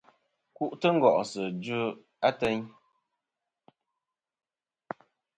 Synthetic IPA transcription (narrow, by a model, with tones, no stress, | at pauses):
ku˦ʔtə˦ŋ̩˦ɡɔ˨ʔsə˨d͡ʒʉ˦ | a˦tɛ˦ɲ